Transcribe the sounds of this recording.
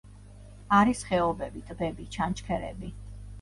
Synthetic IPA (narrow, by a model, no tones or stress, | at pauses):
aɾisχɛɔbɛbit̪ʼbɛbit͡ʃʰant͡ʃkʰɛɾɛ̰bi